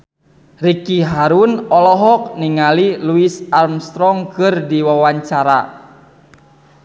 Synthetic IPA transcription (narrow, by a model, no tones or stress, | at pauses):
rikiɦaɾunɔlɔɦɔk̚niŋaliluisarmst̪ɾɔŋkɨrdiwawaɲt͡ʃaɾa̰